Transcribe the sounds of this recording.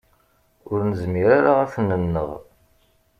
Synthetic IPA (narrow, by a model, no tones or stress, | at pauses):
ʊɾnəzmiɾaɾaʁæfnənːə̰ʁ